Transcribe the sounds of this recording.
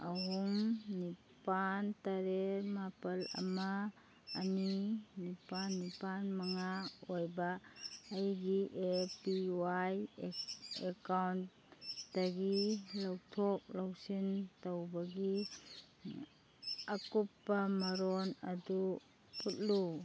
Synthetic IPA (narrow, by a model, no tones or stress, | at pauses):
aɦumni | pantaɾeɾmapɐlɐ̰maː | ninipanːipanmɐŋaojbaːjɡiʔepiwaj | ekawnt | daɡilawtʰɔk̚lawsintowbɐɡi | ɐkupːɐmɐɾonɐdu | put̚lu